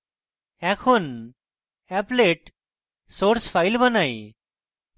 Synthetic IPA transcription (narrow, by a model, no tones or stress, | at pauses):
ɛ̃kʰun | ɛpleʈ | soɾsfajlbənaj